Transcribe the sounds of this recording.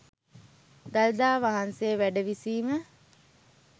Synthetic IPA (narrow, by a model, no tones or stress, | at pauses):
d̪ald̪aːʋaɦansejʋæɖəʋisiːmə